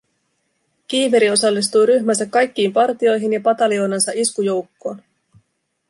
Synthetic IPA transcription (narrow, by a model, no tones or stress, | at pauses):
k̟iːʋeɾio̞sɑlːis̬t̪ujɾyçmænsækːɑjk̟ːiːmpɑrt̪io̞jɦinjɑpɑt̪ɑlio̞ːnɑnsɑʔiskujo̞wkːo̞ːn